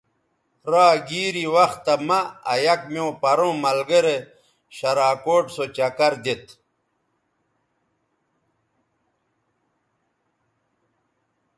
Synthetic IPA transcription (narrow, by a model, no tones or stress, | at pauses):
ɾaːɡiːɾiwɐxt̪ːɐmɐ̰ːjɐkmjoːpɐɾõːmɐlɡeɾe | ɕɐɾaːkoːʈsot͡ɕɐkɐɾd̪et̪